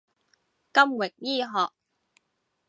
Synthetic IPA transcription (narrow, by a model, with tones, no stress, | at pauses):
kɐ˥mwɪ˨k̚jiː˥ɦɔː˨k̚